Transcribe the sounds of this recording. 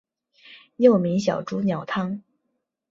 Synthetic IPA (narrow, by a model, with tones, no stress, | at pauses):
jo˥˩ʊmi˧˥ŋɕjɑ˨˩ʊʈ͡ʂu˥njɑ˨˩ʊt̪ʰɑ˥ŋ